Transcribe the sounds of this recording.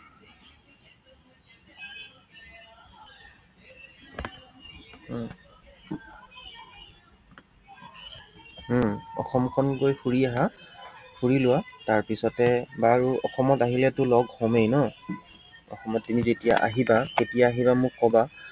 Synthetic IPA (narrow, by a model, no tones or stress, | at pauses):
ɔ̰xɔmkʰɔnkojpʰuɹiaɦa | pʰuɹilʊwataɹpisɔtɛbaɹuɔxɔmɔtaɦilɛtʊlɔɡhɔmejnɔ | ɔ̰xɔmɔtːimizetija̰ʔa̰ɦibaketijaːɦibamʊkːɔba